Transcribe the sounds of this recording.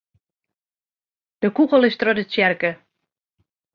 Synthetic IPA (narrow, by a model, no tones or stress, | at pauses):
d̥əkukəlˠɪstrɔdəsjɛrkə